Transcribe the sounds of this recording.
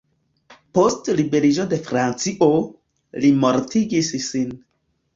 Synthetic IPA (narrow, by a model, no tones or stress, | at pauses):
postlibe̞ɾid͡ʒo̞de̞fɾant͡siʔo | limo̞ɾtiɡisːin